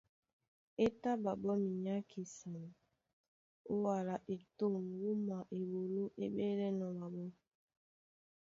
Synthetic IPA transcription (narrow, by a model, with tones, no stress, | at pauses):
e˦ta˦ba˨bɔ˦mi˨ɲa˦kʰi˨sa˨m˨ | ʊ˦wa˨ɾa˨ʔe˨to˦˨m˨wu˦ma˨ʔe˨wo˨lo˦ʔe˦ɓe˦le˦nɔ˨wa˨bo˦